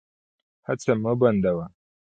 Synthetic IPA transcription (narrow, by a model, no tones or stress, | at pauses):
hat͡sɐmːɐbɐndawa